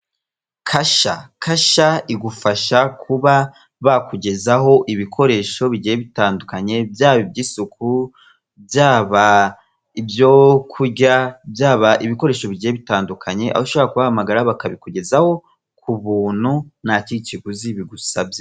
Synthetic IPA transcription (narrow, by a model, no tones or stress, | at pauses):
kʰaʃa̰kʰaʃaiɡufaʃakʰuβa | βakuɟe̞zaɦo̞ʔiβikʰo̞ɾe̞ːʃo̞βiɟijeβitaːndukaɲe̞bjaːβibɟiːsuku | bjaːβa | ibjokʰuɟabjaːβaʔiβiko̞ɾe̞ːʃo̞βiɟijeβitaːndukʰaɲe̞ʔa̰βaʃo̞βoɾakuβahamaɡaɾaβakaβikuɟe̞zaho̞ | kʰuβuːn̥hunaciiciɡuziβiɡusabje